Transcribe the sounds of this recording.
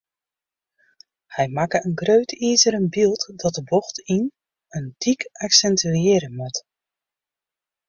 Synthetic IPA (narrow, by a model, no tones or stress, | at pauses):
hɛjmakəənɡrøɥtʰiːzəɾənbilˠtdɔt̚dəbɔxtin | əntʰikaksɛntriɪɾəmət